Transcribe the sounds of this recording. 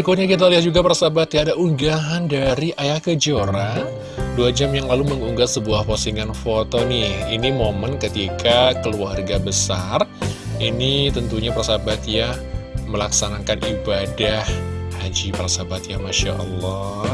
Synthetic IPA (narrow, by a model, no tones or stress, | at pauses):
ikut̪ɲakit̪̬aliɦad͡ʒuɡapaɾasabat̪jaːdaʔuŋɡaɦandaɾiʔajakəd͡ʒoɾa | duad͡ʒamjaŋlaluməŋuŋɡasəbuahposiŋanfot̪onɪhinimomənkət̪ikakəluarɡabəsarinit̪ənt̪uɲapaɾasabat̪ja | məlaksanakanibadahhad͡ʒipaɾasabat̪̚jamaʃa̰ʔə̰lːɔ